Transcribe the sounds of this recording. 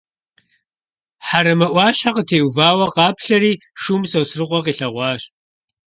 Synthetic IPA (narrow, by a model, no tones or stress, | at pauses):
ħaɾɐmɐʔʷɑːɕħaqətʰeːwvaːwɐqɑːpɬɐɾiː | ʂuːmsɐwsrɨqʷɔqiːɬɐʁʷɑːɕ